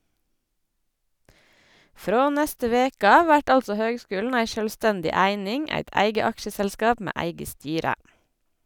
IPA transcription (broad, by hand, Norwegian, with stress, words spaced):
ˈfɾoː ˈnæstə ˈʋeːkə ˈɑːʋ ˈʋæʈ ˈɑldsɔ ˈhøːɡˌskʉːln̩ ˈæɪ ʃœlˈstɛndɪ ˈæɪnɪŋ ˈæɪt ˈæɪɡə ˈɑkʃəsəlˌskɑːp ˈmeː ˈæɪɡə ˈstyːɾə